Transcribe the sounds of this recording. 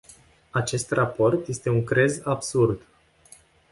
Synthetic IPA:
at͡ʃe̞st̪rapo̞rt̪je̞st̪e̞uŋkɾe̞zabsurd̪

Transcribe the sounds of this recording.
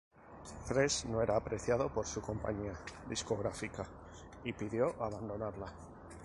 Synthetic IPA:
fɾe̞sno̞e̞ɾaːpɾʔe̞θjað̞o̞po̞ɾsuko̞mpa̰ɲiaðisko̞ɣ̞ɾafika | ipiðjo̞ʔaβ̞and̪o̞naɾla

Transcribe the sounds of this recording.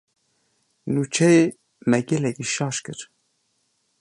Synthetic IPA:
nuːt͡ʃʰɛje | mɛɡɛlɛkiʃɑːʃkɨɾ

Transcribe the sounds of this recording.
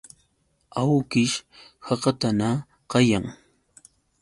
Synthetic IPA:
awkɪʃhɑqɑt̪ana | qɑjaŋ

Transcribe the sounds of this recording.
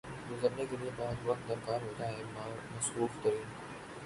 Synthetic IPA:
ɡʊzəɾnekeliebaːd̪ʋɐkt̪̚d̪ɐɾkaːɾɦoːd͡ʒaːɦẽmaːmɐsuːfk̪ɐɾiː

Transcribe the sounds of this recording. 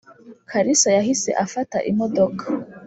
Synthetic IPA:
kʰaɾisajahise̞̰ʔafataʔḭmodokʰḁ

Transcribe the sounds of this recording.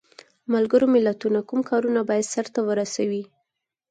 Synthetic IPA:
malɡəɾomɪlat̪unakumkɑɾunabɑjad̪saɾt̪awəɾasawi

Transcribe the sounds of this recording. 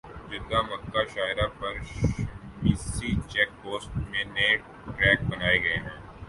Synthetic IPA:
d͡ʒɪd̪amɐkːaʃaːɪɾapɐɾ | miːsit͡ʃɛːk̚poːsʈmẽːnẽː | ʈɾɛːk̚bɐnaːeɡɐeɦɛ̃ː

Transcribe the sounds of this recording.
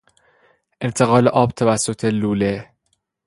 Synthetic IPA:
ʔe̞nt̪ʰeɣɒːleʔɒːb̚t̪ʰævæsːo̞t̪ʰe̞luːle

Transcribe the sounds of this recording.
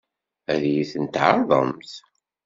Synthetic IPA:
æðjiθənt̪ʕɑɾˤðˤə̰mθ

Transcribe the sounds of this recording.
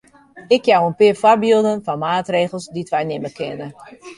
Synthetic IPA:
ɪkʰjawənpɪəfarbilˠdənfɔnmaːtreːɣəlˠsditʋɛjnɪməkʰɪnə

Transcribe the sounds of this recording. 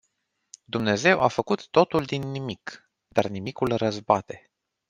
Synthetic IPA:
d̪umne̞ze̞wʔafəkut̪ːo̞t̪uld̪inːimik | d̪arnimikulrəzbat̪e̞

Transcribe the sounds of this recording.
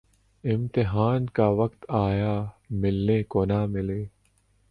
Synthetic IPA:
ɪmt̪ɪɦaːnkaʋɐkt̪aːjaːmɪlːẽːkonaːmɪleː

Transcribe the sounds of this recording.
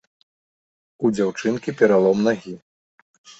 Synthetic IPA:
ud͡zʲawt͡ʂɨnkʲipʲɛɾalˠɔmnaɣʲi

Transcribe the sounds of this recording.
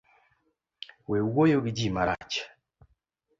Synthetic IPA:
weuwojoɡid͡ʒimaɾa̰t͡ʃḁ

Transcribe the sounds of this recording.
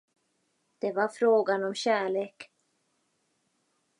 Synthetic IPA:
d̪̥ɛvaɾfɾoːɡanɔmɕæːɭeːk

